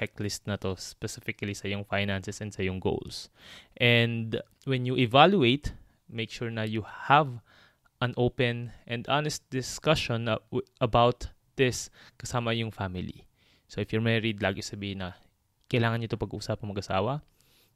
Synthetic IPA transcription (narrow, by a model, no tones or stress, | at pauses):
tɛk̚tlɪst̪nɐt̪o̞spɛsɪfɪkɐlisɐjʊŋfajnansɛsɛnd̪sɐjʊŋɡo̰wls | ʔɛnd̪ | wɛnjuʔɛvaljuejt̪ | mejkʃuɹnɐjuhav | ʔɐ̃nʔowpɛ̃nʔɛnd̪anɛst̪̚d̪ɪskɐʃɔ̃nʔɐbawt̪ | d̪̥ɪskɐsaːmɐjʊŋfamɪlḭ | soʔɪfjɔɹmɛɹɪd̪̚laːɡɪsɐbiːɪnːɐ | kɐjlaːŋɐnɲʊt̪opɐɡʔuʔuːsap̚ɐŋmɐɡɐsa̰ːwɐ